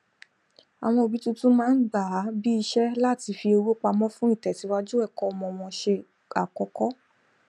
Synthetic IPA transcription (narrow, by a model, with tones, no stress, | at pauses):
a˨w̃ɔ̃˧o˨bi˨˦tũ˦tũ˦mãː˦n̩˦ɡ͡ba˨˦bi˦i˧ʃɛ˦la˦˨ti˧fi˧o˧wu˦k͡pa˧mɔ̃˦fũ˦i˦˨tɛ˨ti˨˦wa˦d͡ʒu˦ɛ˦˨kɔ˦ɔ˧mɔ̃˧˨w̃ɔ̃˧ʃe˧ | a˨kɔ˧kɔ˦